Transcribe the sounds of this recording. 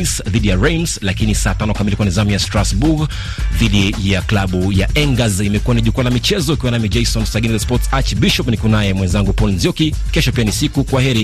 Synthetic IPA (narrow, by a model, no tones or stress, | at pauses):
sðiɗijaɹɛjmslakinisaːtanɔkamilikuwanizamijastɾasbuɡ | ðiɗijaklaɓujaʔɛŋɡazimɛkuaniʄukualamit͡ʃɛzɔukiwanamid͡ʒɛjsɔnsaɡinizaspɔtsat͡ʃbiʃɔpnikunajɛmwɛnzaŋɡupɔlnzjɔki | kɛʃɔpianisikukwaɦɛɾi